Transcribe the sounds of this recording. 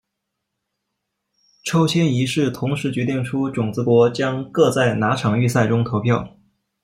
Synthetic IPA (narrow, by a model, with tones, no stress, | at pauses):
ʈ͡ʂʰo˥ʊt͡ɕʰjɛ˥ni˧˥ʂɻ̩˥˩t̪ʰʊ˧˥ŋʂɻ̩˧˥t͡ɕɥɛ˧˥t̪i˥˩ŋʈ͡ʂʰu˥ʈ͡ʂʊ˨˩ŋt͡sɹ̩˧˥kwɔ˧˥t͡ɕjɑ˥ŋkɤ˥˧t͡sa˥˩ɪna˧˥ʈ͡ʂʰɑ˨˩ŋy˥˧sa˥˩ɪʈ͡ʂʊ˥ŋt̪ʰo˧˥ʊpʰjɑ˥˩ʊ